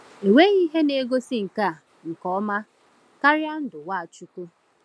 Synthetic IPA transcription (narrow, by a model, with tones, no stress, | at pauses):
e˨we˦ɣi˦ɦe˦ne˦ɡo˦si˦ŋ̩˨ka˦˨ | ŋ̩˨kɔ˦ma˦ | ka˦ɾja˦n̩˦dʊ˨wa˦˨t͡ʃu˦ku˦